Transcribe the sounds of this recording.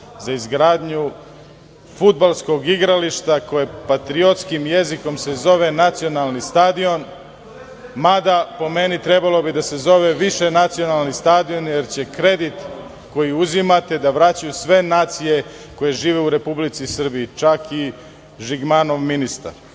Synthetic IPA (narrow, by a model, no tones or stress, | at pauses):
zaizɡɾaːd̪ɲu | fud̪̚balˠsko̞ɡiɡɾaliʃt̪ako̞jepat̪ɾio̞t̪skimje̞ziko̞mse̞zo̞ʋe̞nat̪sio̞nalˠnist̪aːd̪io̞n | mad̪apo̞me̞nit̪ɾe̞balˠo̞bid̪ase̞zo̞ʋe̞ʋiʃe̞nat̪sio̞nalˠnist̪aːd̪io̞nje̞ɾt͡ɕe̞kɾe̞d̪it̪ | ko̞jiuzimat̪e̞d̪aʋɾat͡ɕajusʋe̞naːt̪sije̞ | ko̞je̞ʒiːʋe̞uɾe̞publit̪sisr̩biːt͡ʃaki | ʒiɡmano̞ʋminist̪a̰ɾ